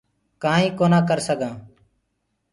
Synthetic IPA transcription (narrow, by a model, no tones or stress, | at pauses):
kãːĩːkoːnãːkəɾsəɡãː